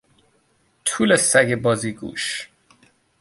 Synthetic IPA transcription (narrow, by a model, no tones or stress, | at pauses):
t̪ʰuːlesæɡebɒːziɡṵːʃ